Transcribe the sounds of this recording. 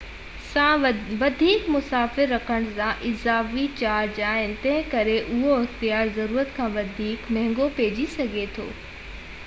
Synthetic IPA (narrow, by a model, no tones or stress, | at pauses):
sãːʋɐd̪ʱiːkmʊsaːfɪɾːɐkʰəɽ̃sãʔɪzaːfit͡ɕaːɾd͡ʑaːɪnɪ̆t̪ɐ̃ɦɪ̃kɐɾeʔʊɦoɪxt̪ijaːɾzɐɾuːɾət̪kʰãːʋɐd̪ʱiːkmɛ̃ɦɪ̃ŋɡopeːd͡ʑisɐɡʱet̪ʰo̰ː